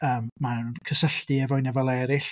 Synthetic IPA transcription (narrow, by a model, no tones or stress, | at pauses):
əːmmannnkʰəsəɬd̥iɛvɔɨnɛvɔlˠɛɾɪɬ